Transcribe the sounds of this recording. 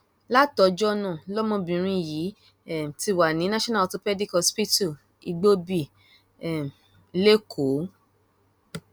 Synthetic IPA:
la˦tɔ˨˧d͡ʒɔ˦nɔ̃˦˨lɔ˦mɔ̃˧bĩ˨ɾ̃ĩ˧˨ji˨˦˨ | ti˧wa˨nĩ˨˦nã˦ʃɔ̃˦na˦˨to˧pɛ˦di˦kɔ˧spi˦tu˦˨ | i˧ɡ͡bo˦bi˦˨ | m˨˧ | le˦kʰo˨˦

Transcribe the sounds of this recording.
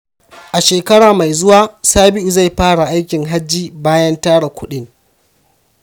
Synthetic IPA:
ʔa˨ʃeː˨kɐ˦ɽaː˨ma˨jzʊ˦waː˦saː˦bɪ˦ʔu˨za˦˨jɸaː˦ɽa˨ʔa˦jkʲɪ˨ŋɦa˦d͡ʒːiː˦baː˦jɐ˦ntaː˦ɽa˨kʷʊ˦ɗɪ˦ŋ

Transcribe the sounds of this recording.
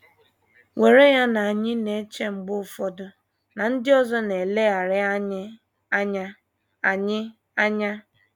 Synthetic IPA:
we˨ɾe˦ja˦na˨a˨ɲɪ˦ne˨˦t͡ʃe˦ŋ͡m̩˨ɡ͡bʊ˦˨fɔ˦dʊ˦ | na˨n̩˦dɪ˦ɔ˦zɔ˦ne˨le˦a˨ɾɪ˦ | ɲ˦ | a˨ɲɪ˦ | a˦ɲa˦

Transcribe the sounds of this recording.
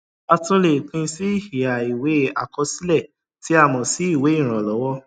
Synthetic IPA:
a˧tũ˦le˨k͡pĩ˧˦si˦i˦˨hi˨a˨i˨we˨˦a̰˨kɔ˧˦si˦lɛ˦˨ | ti˨˦a˦˨mɔ̃˨si˨˦i˦˨we˨˦ĩ˦˨ɾ̃ɔ̃˨lɔ˨˦wɔ˦

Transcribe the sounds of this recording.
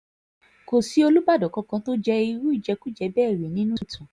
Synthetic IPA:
ko˨si˨˦o˧lu˦ba˦˨dɔ˨kɔ̃˧kã˧to˦d͡ʒɛ˧i˧ɾu˦i˦˨d͡ʒɛ˧ku˦d͡ʒɛ˧bɛː˦˨ɾe˨nĩ˦nũ˦tʰũ˨

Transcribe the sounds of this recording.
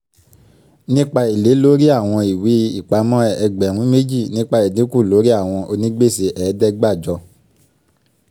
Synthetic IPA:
nĩ˦k͡pa˧i˨le˨˦lo˦ɾi˦a˦˨w̃ɔ̃˧i˨wi˨˦i˦˨k͡pa˨˧mɔ̃˦ɛ˧ɡ͡bɛ˨ɾ̃ũ˨˦me˦d͡ʒi˦˨nĩ˦k͡pa˧e˨dĩ˨˦ku˦˨lo˨˦ɾi˦a˦˨w̃ɔ̃˧o˧nĩ˦ɡ͡be˦˨se˧˦ʔɛː˨˦dɛ˦ɡ͡ba˦˨d͡ʒɔ˧

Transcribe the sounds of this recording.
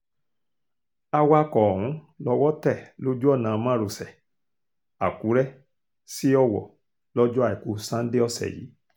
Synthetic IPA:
a˧wa˧kɔ˨ɾ̃ũ˨˦ | lɔ˧wɔ˦tɛ˦˨lo˨˦d͡ʒu˦ɔ˦˨nãː˨˧mã˦˨ɾo˨sɛ˨ | a˨ku˨˦ɾɛ˦ | si˦ɔ˦˧wɔ̰˨ | lɔ˦d͡ʒɔ˦a˦˨i˨ku˨˦sã˦n̩˦de˦ɔ˦˧sɛ̰˨jḭ˨˦

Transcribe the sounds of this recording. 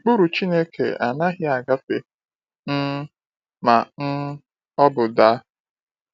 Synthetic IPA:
k͡pu˦ɾu˨t͡ʃi˦ne˦kʰḛ˨a̰˨na˦ɦɪ˦a˨ɡa˦fe˨ | n̩˦ | ma˨n̩˦ | ɔ˦bʊ˨da˦

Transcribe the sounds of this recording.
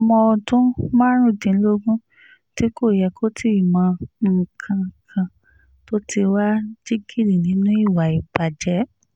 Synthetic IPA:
ɔ˧mɔ̃˧ɔ˧tũ˦mã˦ɾ̃ũ˦˨dĩ˧n̩˦lo˦ɡũ˦ | ti˦ko˦˨jɛ˧˨kʰo˦tʰi˦i˦˨mã˨˧ŋ̩˨kʰã˧˨kʰã˧ | to˦ti˧wa˦d͡ʒi˦ɡi˦˨ɾi˨nĩ˨˦nũ˦i˦˨wa˨i˨ba˨d͡ʒɛ˨˦

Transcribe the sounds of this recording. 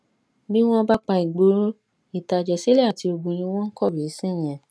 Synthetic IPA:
bi˦w̃ɔ̃˦˧ba˦k͡pa˧i˨ɡ͡bo˨˦ | i˦˨ta˨d͡ʒɛ˨si˨˦le˦a˦˨ti˧o˧ɡ͡bũ˧j̃ĩ˧w̃ɔ̃˦n̩˦kɔ˦˨ɾe˨˦sĩ˦˨j̃ɛ̃˨

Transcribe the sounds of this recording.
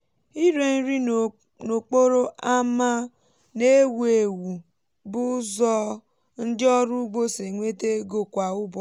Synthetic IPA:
i˦ɾe˨n̩˦ɾi˦˨ | no˨k͡po˦ɾo˦ʔa˦ma˦ | ne˦we˨wu˨ | bʊ˦zɔ˦ | n̩˦dɪ˦ɔ˦ɾu˦ɡ͡bo˦se˨ŋʷe˦te˦ɡo˨kʷa˨ʊ˦bɔ˨

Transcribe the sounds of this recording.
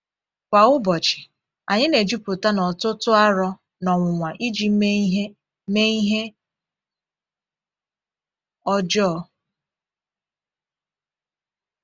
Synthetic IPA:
kʷa˨ʊ˦bɔ˨t͡ʃɪ̥˨ | a˨ɲɪ˦ne˨d͡ʒi˦pʊ˨ta˦nɔ˨tʊ˦tʊ˦a˦ɾɔ˦ | nɔ˨ŋʷʊ˨ŋʷa˨ʔi˦d͡ʒi˨˦e˦ | me˦i˦ɦe˦ | ɔ˦d͡ʒɔ˦

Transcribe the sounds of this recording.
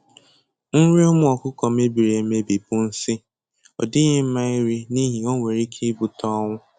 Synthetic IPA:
ŋ̩˦ɾi˦ʊ˦mʊ˦ɔ˨kʊ˦kɔ˨m̩˦e˦bi˨ɾe˨me˦bi˨pʊ˦n̩˦sɪ˦ | ɔ˨dɪ˦ɣɪ˦m̩˦ma˦i˦ɾi˦ni˦ɦi˨ɔ˦ŋʷe˨ɾi˦kʰe˦bu˨tɔ˦ŋʷʊ˦

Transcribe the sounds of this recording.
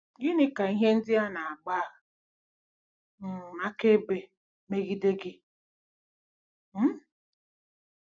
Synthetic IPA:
ɡɪ˦nɪ˦ka˨i˦ɦe˦n̩˦dɪ˦a˦na˨a˨ɡ͡ba˦˨ɣa˨ | n̩˨a˦ke˦be˨ | me˦ɣi˦de˦ɡɪ˦ | m̩˦

